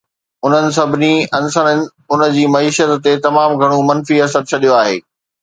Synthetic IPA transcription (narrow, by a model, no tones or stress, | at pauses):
ʊn̤ənɪ̆s̬ɐbʱɪniɐnsənɪnɪ̆ | ʊnə̆d͡ʑiːmɐiːʃət̪ːet̪ɐmaːmɡʱɐɽ̃umɐ̃nfiɐsəɾt͡ɕʰɐɗijoaːɦḛː